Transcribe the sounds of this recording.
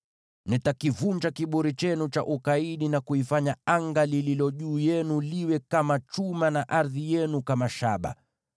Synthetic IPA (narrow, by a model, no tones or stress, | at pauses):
nitakivuɲd͡ʒakiɓuɾit͡ʃɛnut͡ʃa̰ʔukaiɗinakuifaɲaaŋɡalililɔʄuːjɛnuliwɛkamat͡ʃumanaʔaɾðijɛnukamaʃaɓa̰